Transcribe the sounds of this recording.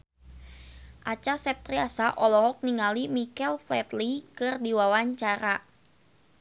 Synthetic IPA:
ʔat͡ʃasɛp̚t̪ɾiasaʔɔlɔɦɔk̚niŋalimikɛlflɛt̪likɨrdiwawaɲt͡ʃaɾa

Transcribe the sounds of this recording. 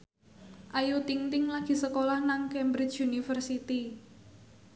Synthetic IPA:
ʔajut̪iŋt̪ɪŋlaɡ̥i̤səkolahnaŋkɛmbɾɪt͡ʃunifərsit̪i

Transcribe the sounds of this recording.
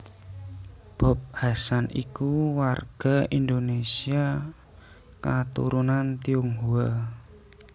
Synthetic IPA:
b̥ɔ̤p̚hasanikuwarɡ̥a̤ind̪onesia | kat̪ṵɾunant̪iuŋɦua

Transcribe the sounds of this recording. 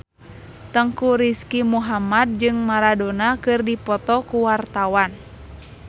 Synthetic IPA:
t̪əŋkuɾiskimuɦamad̚d͡ʒɨŋmaɾadonakɨrdipɔt̪ɔkuwart̪awan

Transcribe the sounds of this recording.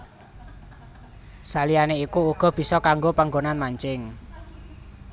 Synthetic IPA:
salijaneikuuɡ̥ɔ̤b̥i̤sɔkaŋɡopaŋɡonanmaɲt͡ʃɪŋ

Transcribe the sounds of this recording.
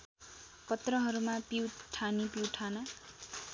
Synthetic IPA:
kʌt̪rʌɦʌɾumapiwʈʰanipiwʈʰanʌ

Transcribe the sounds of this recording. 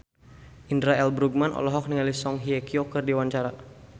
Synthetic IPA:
ʔindɾaɛlbɾuɡ̚manʔɔ̰lɔɦɔk̚niŋalisɔŋɦiɛkiokɨrdiwaɲt͡ʃaɾa

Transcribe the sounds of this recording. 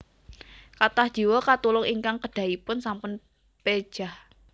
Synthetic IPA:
kat̪ahd̥ʒ̥i̤wokat̪ulʊŋiŋkaŋkəɖ̥ä̤ipʊnsampʊn | ped̥ʒ̥ah

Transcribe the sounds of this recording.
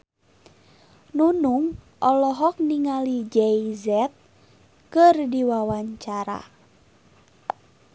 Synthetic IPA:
nunuŋ | ʔɔlɔɦɔk̚niŋalid͡ʒɛizɛt̪̚ | kɨrdiwawaɲt͡ʃaɾa̰

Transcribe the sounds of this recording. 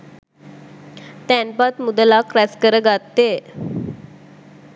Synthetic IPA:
t̪ænpat̪mud̪əlakɾɛskəɾəɡat̪ːe

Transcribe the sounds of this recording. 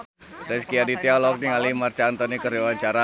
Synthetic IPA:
ɾɛskiadit̪ialɔk̚niŋalimart͡ʃant̪ɔnikəɾewaɲt͡ʃaɾa

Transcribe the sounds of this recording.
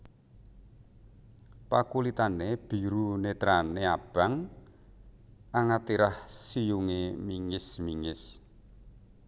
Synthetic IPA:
pakulit̪aneb̥i̤ɾunet̪ɾaneab̥a̤ŋ | aŋat̪iɾahsijuŋemiŋɪsmiŋɪs

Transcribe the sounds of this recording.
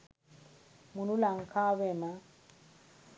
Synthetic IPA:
munulaŋ̩kʰaβɛma

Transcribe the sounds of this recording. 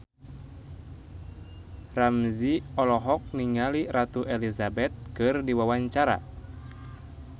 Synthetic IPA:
ramziɔlɔɦɔk̚niŋaliɾat̪uʔelizabɛt̪̚kɨrdiwawaɲt͡ʃaɾa̰

